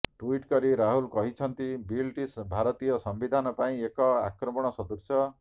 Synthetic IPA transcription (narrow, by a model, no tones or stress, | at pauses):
ʈuiʈkɔɾiɾaɦulkɔɦit͡ʃʰʌnt̪ibilʈisbʱaɾɔt̪ijɔsɔmbid̪ʱanɔpaĩekɔa̰kɾɔmɔɽ̃ɔsɔd̪usjɔ